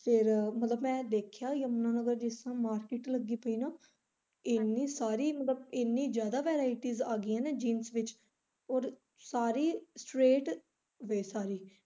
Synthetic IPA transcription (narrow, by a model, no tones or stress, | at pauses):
fʰɪɾmət̪ləbmɛ̃ːd̪eːkʰjaːəmnãːnəɡəɾd͡ʒɪsãːmaːɾkɪʈləɡːiːpəiːnaː | ɪnːĩːsaːɾiːmət̪ləbɪnːĩːd͡ʒjaːd̪aːʋɛːɾaːɪʈiːzaːɡɪãːneːd͡ʒiːnsʋɪt͡ʃ | oːɾ | saːɾiːsʈɾeːʈ | ʋeːsaːɾiː